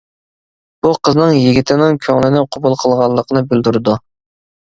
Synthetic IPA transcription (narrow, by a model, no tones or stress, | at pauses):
b̥uqʰəznɨŋjiɡʲit̪ʰɪnɪŋkʲʰøŋlɪnɪqʰobulˠqʰəlˠʁɑlˠːəqʰənɨbɪld̪uɾɨd̪u